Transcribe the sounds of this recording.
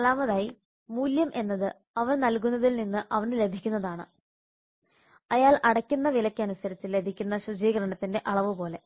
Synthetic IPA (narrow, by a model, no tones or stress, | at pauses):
ɐlaːmɐðaːji | muːljɐmʔe̞nːɐðɨ | ɐʋɐnnɐlkunːɐðilninːɨʔɐʋɐnle̞bʱikʲːunːɐðaːɳɨ | ɐjaːlʔɐɽɐkʲːunːɐʋilɐkʲːɐnusɐɾit͡ɕːɨle̞bʱikʲːunːɐɕud͡ʑiːɣɐɾɐɳɐt̪ːinde̞ʔɐɭɐʋɨpo̞ːle̞